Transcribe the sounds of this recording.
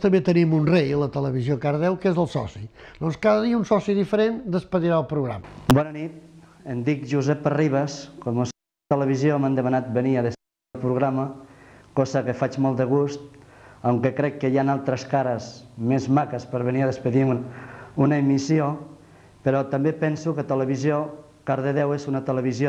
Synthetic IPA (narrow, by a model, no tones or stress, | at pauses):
t̪əmbet̪ənimunrejələt̪ələβ̞izjokaɾðɛwkezəlˠsɔ̰sid̪ɔnskaðəðiəunsɔsiðifəɾend̪əspəðiɾaəlˠpɾuɣɾa̰mbɔnənit̪end̪ikʒuzɛpəriβəskomos | t̪ələβizjomand̪əmanat̪̚bəniaðəspəilˠpɾuɣɾaməkɔzəkefat͡ʃmɔlˠt̪d̪əɣ̞ust̪̚awŋkəkɾɛkːəjanalˠt̪ɾəskaɾəzmezmakəspəɾβeniaðəspəði | unəemisio | pəɾɔt̪ambepɛnsukət̪ələβizjo | kaɾðəðɛwezunət̪ələβ̞izjo